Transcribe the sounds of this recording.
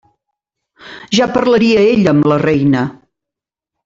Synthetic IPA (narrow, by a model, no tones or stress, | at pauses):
ʒapəɾləɾiəeʎəmlərɛjnə